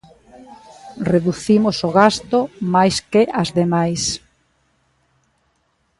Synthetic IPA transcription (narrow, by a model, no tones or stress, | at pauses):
reðuθimosoɣast̪omajskɪʔazðemajs